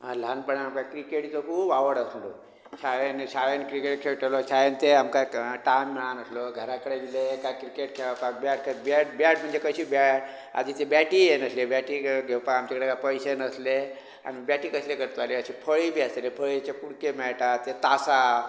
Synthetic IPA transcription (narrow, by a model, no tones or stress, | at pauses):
alanpəɳaamkakɾikeʈt͡sokʰuːbaʋəɽəslo | ɕaʋenɕaʋenkɾikeʈkʰewʈʰelosajent̪eamkaʈajmːɭanəsloɡʱəɾakəɽed̪ilekakɾikeʈ̚kʰeɭapak̚bjaʈkʰəbaʈbjaʈm̤əɳd͡ʑekəɕiːbaʈ | a̰d̪it̪ebjaʈijenəslebjaʈiɡʱewpakamt͡ɕakəɽekapəjsenəsle | a̰nibjaʈikəslekəɾt̪ʋaliəɕipʰəɭibʱiːaselepʰəɭit͡ɕakuɽkemɛɭʈat̪et̪asa